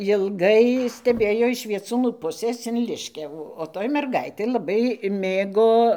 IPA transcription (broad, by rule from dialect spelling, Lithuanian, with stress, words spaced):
jɪlˠˈɡɐɪ sʲtʲɛˈbʲeːjoː ɪʃ ʋʲiɛˈt͡suːnuː ˈpʊsʲeːs ɪn ˈlʲɪʃʲkʲɛʋuː oː ˈtoːj mʲɛrˈɡɐɪtʲeː lˠɐˈbɐɪ ˈmʲeːɡoː